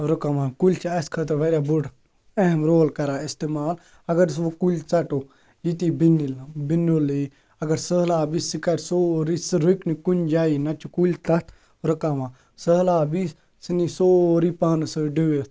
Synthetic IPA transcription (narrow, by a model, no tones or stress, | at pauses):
ɾukamãːkulʲt͡ʃʰiɐskʰət̪ɐɾʋɐɾʲjaːbuɖ | ɐɦmɾoːlkɐɾaːist̪eːmaːl | ɐɡɐɾsʋokulʲt͡sɐʈoː | jit̪iːbinilbinoli | ɐɡɐɾsəːlaːbisikɐɾʲsoːɾisɾuknikund͡ʒaːinɐt͡ʃukulʲt̪ɐt̪ʰ | ɾɐkamãː | səːlaːbis | sinisoːɾiːpaːnsəɖiʋe